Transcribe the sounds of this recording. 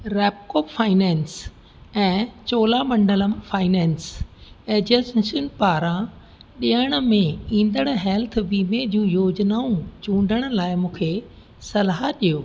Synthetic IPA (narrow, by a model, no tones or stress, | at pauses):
ɾɛːpkoːpfaːɪnɛ̃ːns | ɛ̃ːt͡ɕoːlamɐ̃ɳɖələmfaːɪnɛ̃ːnseːd͡ʑəssnpaːɾã | ɗiəɽ̃ə̆mẽĩːnd̪əɽ̃ɦɛːlt̪ʰʋiːmed͡ʑũjoːd͡ʑnaːũt͡ɕũːɳɖʱəɽ̃ə̆laːɪmũːkʰe | sɐlaɦaɗijoː